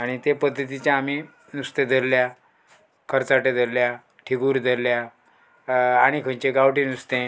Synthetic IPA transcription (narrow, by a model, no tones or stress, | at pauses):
aɽ̃it̪epəd̪ʱːət̪̬it͡ɕjãːmi | nust̪ed̪ʱəɾlja | kʰəɾt͡saʈẽd̪ʱəɾlja | ʈʰiɡuːɾd̪ʱəɾlja | aɽ̃ikʰə̃nt͡ɕeɡawʈĩnust̪ẽ